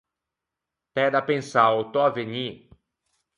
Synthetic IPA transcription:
pɛd̪apẽnsaot̪oaveɲi

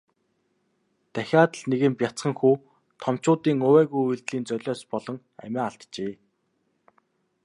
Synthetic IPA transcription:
t̪æxʲaːt̪ə̆ɮneɣɘ̆mpjat͡sχə̆ŋxuː | t̪ʰɔm̥t͡ɕʊːt̪iːŋɵwæːɣujujɮt̪ɮiːnt͡sœɮʲɔːspɔɮɞ̆ŋ | æ̰mʲaːaɬt̪t͡ɕeː

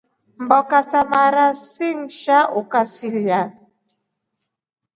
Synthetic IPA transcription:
m̩bɔkasamaɾasiŋ̩ʃaʔokasilja

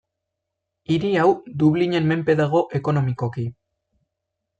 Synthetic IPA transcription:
iɾiawd̪uβliɲe̞nme̞mpe̞ðaɣ̞o̞ʔe̞ko̞no̞miko̞ki

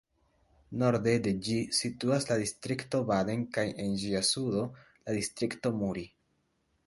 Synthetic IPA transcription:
no̞ɾde̞de̞d͡ʒisituaslad̪istɾikto̞bade̞nkajʔe̞nd͡ʒiasudo̞ | ladistɾikto̞muɾi

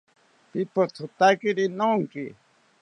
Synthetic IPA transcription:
pipot̪ʰut̪akiɾinoŋkḭ

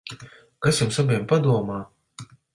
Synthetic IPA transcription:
kasjumsabʲiɛmpad̪uɔmaː

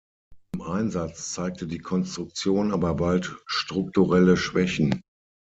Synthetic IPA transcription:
ɪmʔaɪnzat͡st͡saɪk̚tʰədiːkʰɔnstʁ̥ʊk̚t͡sjoːnʔaːbɐbaltʃtʁ̥ʊk̚tuʁɛləʃv̥ɛçn̩

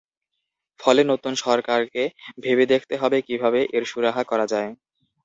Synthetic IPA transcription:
fɔlenot̪unʃɔɾkaɾkebʱebed̪ekʰt̪eɦɔbekibʱabeʔeɾʃuɾaɦakɔɾad͡ʑae

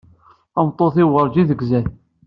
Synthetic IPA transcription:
ɑmt̪ˤːoθɪwəɾˤd͡ʒiðəɡzæn

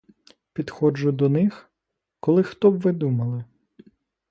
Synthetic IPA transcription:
pʲid̪xɔd͡ʒʊd̪ɔnɪx | kɔlˠɪxt̪ɔbʋɪd̪umɐlˠɪ

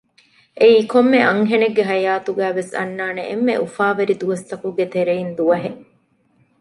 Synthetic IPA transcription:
ʔeiːkomːeʔɐŋɦeneɡːeɦɐjaːt̪uɡæːʋesɐ̰nːaːnḛʔemːḛʔufaːʋɐɾid̪uʋɐst̪ɐkuɡet̪eɾeind̪uɐɦe

